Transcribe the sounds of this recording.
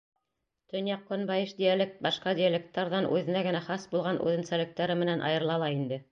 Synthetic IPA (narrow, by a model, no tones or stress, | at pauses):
t̪ɵ̆njɑqːŏnbɑjɘʃd̪ʲijælʲek̚t̪̚bɑʃqɑd̪ʲɪalʲek̚t̪ːɑɾðɑnʔʉ̰ðɘ̆næɡɘ̆næχɑsbulˠʁɑnʔʉ̰ðɘ̆nsælɘ̆k̚t̪æɾɘmɘ̆nænʔɑ̰jɤ̆ɾlˠɑlˠɑind̪ɘ